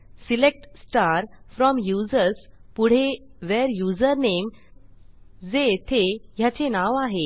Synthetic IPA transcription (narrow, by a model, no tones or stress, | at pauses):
silek̚ʈsʈaɾfɾɔmjud͡zəɾspuɽ̤eʋeɾjud͡zəɾnem | d͡zet̪ʰejat͡ɕenaʋaɦe